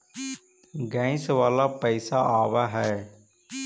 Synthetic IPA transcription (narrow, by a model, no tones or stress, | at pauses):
ɡɛ̃ːɪ̃sʋaːlaːpɛɪsaʔaːʋaːɦɛː